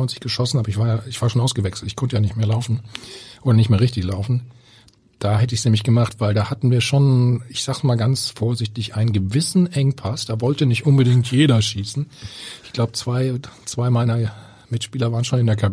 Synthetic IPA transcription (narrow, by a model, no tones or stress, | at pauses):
ɔɪnt͡sɪ̥çɡ̥əʃɔsn̩ʔaːbɐɪçv̥aːɐjaːɪçv̥aːɐʃoːnʔaʊsɡ̥əvɛksl̩tɪçkʰɔntəjaːnɪçtmeːɐlaʊfn̩ʔoːɾɐnɪçtmeːɐʁɪçtɪçlaʊfn̩ | d̥aːhɛtəɪçsneːmɪçɡ̥əmaχtv̥aɪldaːhatn̩viːɐʃoːnɪçz̥aːɡsmaːlɡant͡sfoːɐzɪçtɪçʔaɪnənɡəvɪsn̩ʔɛŋpʰasd̥aːvɔltənɪçtʔʊnbədɪŋtʰjeːɾɐʃiːsn̩ʔɪçɡ̥laʊbət͡sv̥aɪt͡sv̥aɪmaɪnɐ | mɪtʃpiːlɐvaːʁənʃoːnɪndeːɐkʰab